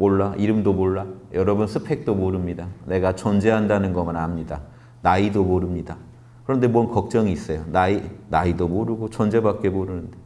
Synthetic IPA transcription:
moɭːaiɾɯmdomoɭːajʌɾʌbunsʰɯpʰe̞k̚t͈omoɾɯmɲidane̞ɡat͡ɕʌnd͡ʑe̞ɦandanɯnɡʌmanamɲida | naidomoɾɯmɲida | kɯɾʌnde̞mwʌnkʌk̚t͡ɕ͈ʌŋiːs͈ʌjonainaidomoɾɯɡot͡ɕʌnd͡ʑe̞bak͈e̞moɾɯnɯnde̞

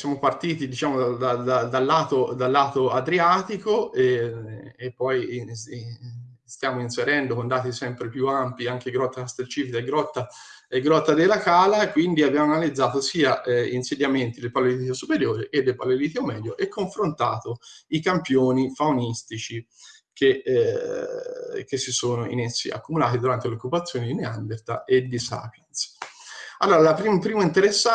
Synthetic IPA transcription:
sjaːmopart̪iːt̪id̪it͡ʃaːmod̪ad̪ad̪ad̪alːaːt̪od̪alːaːt̪oad̪ɾiaːt̪ikoe | epːɔj | st̪jaːmoinseɾɛnd̪okond̪aːt̪isɛmpɾepjuampiaŋk̟eɡɾɔt̪ːast̪elt͡ʃiːfikaeɡɾɔt̪ːa | eɡɾɔt̪ːad̪elːakaːlakwind̪iabjaːmoanalid̪zːaːt̪osiːaʔɛinsed̪jament̪id̪elpalːeɾiːt̪osupeɾjoːɾeked̪ːelpalːeɾiːt̪iomɛd̪joʔɛkʰːoɱfɾont̪a̰ːt̪oikampjoːnifaunist̪it͡ʃi | kʰe | kesːisoːnoḭnesːḭa̰kːumulaːt̪id̪uɾant̪eleokːupat̪sːjoːnid̪ineand̪eɾt̪a̰ed̪isa̰ːpjans | alːoːɾalapɾimpɾiːmaint̪eɾesːa

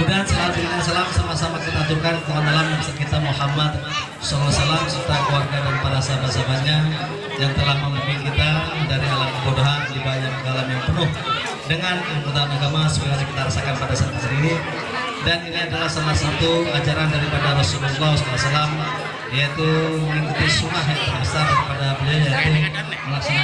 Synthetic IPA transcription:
mudaansalat̪uasalamsamahsamakit̪at̪ukant̪aŋanalamjaŋsəkit̪amuhamat̪̚ | sɔlasalamsərt̪akluarɡadanpalasabasabaɲa | jaŋt̪əlahməməbikit̪adaɾialamkəbodoɦandibaɲak̚ɡalamjaŋpənʊh | dəŋankkut̪anaɡamasukəŋaɲakit̪aɾasakanpadasat̪uɡəɾii | daniniadalahsalahsat̪uad͡ʒaɾandaɾipadaɾɔsululɔskalasalam | jait̪uməŋikut̪isuŋaɦjaŋt̪əɾasadaɾipadabəliajait̪u | məlaksana

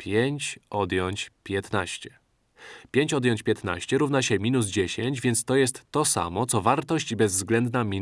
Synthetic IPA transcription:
pʲjeɲt͡ɕʔɔd̪jɔɲt͡ɕpʲjɛt̪na̰ɕt͡ɕɛ̥ | pʲjeɲt͡ɕɔd̪jɔɲt͡ɕpʲjɛt̪na̰ɕt͡ɕɛɾuvnaɕɛmʲinuzd͡ʑeɕeɲd͡ʑvʲjɛnt̪st̪ɔjɛst̪ːɔsa̰mɔt̪sɔvaɾt̪ɔɕt͡ɕibɛzzɡlɛnd̪namʲi

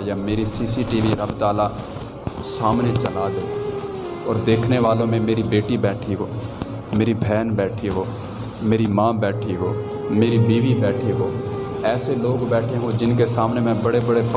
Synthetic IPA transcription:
jameːɾisiːsiʈiːʋiɾəbt̪aːla | saːmnet͡ʃɐlaːd̪eː | ɔːɾd̪eːkʰneʋaːlõmẽmeːɾibeːʈibɛːʈʰiɦoː | meːɾibʱɛːnbɛːʈʰiɦoː | meːɾimãːbɛːʈʰiɦoː | meːɾibiːʋibɛːʈʰeɦoː | ɛːseloːɡbɛːʈʰeɦõd͡ʒɪnkesaːmnemɛ̃bɐɽebɐɽep

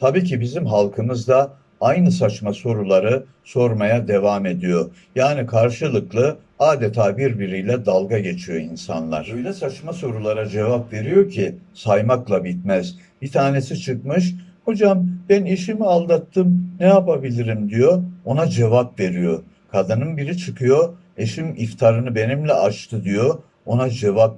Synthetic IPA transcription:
t̪ʰabiːcibizimɦalˠkʰɯmɯzd̪a | ajnɯsat͡ʃmaso̞ɾulˠaɾɯ | so̞ɾmajad̪e̞vame̞d̪ijo̞ | jaːnikʰaɾʃɯlˠɯklˠɯ | aːd̪et̪ʰaːbiɾbiɾijlʲɛd̪alˠɡaɟe̞t͡ʃʰijo̞̰insa̰nlˠa̰ɾ̥ojlʲɛsat͡ʃmaso̞ɾulˠaɾad͡ʒe̞vapve̞ɾijo̞cʰisajmaklˠabit̪̚mæz | bit̪ʰaːne̞sit͡ʃʰɯkmɯʃ̬ho̞d͡ʒambæneʃimialˠd̪at̪ʰːɯmnɛjapabilʲiɾimd̪ijo̞onad͡ʒe̞vapve̞ɾijo̞ | kʰad̪ɯnɯnbiɾit͡ʃʰɯkʰɯjo | e̞ʃimift̪ʰaɾɯnɯbe̞nimlʲɛat͡ʃt̪ʰɯd̪ijo̞ | onad͡ʒe̞vap̚

